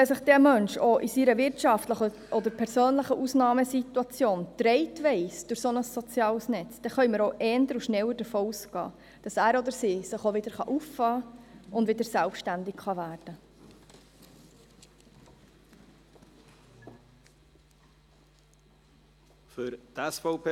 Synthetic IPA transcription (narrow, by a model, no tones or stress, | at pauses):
ʋɛsəχd̥̪ɛmœnʃoʔisiɾəʋɪrtʃɑft̪ləχə | ʔɔd̪əɾpʰɛɾsøːnləχəʔusnɑːməsit̪uɑt͡sjoːnt̪ɾɛɪtʋɛɪsd̥ʊɾsonəsːɔt͡sjɑːlsnɛt͡sd̥ɛχœʏməɾoʔɛːndəɾuʃnɛwəɾd̥əfoːusɡɑ̰ː | d̥ɑsæːɾɔd̪əɾsiːsəχoʋɪd̪əɾχɑʔuffɑːʊndvʋɪd̪əɾsɛlpʃtændɪkχɑvæːɾd̥ə | fʏɾt̪ɛsfopʰː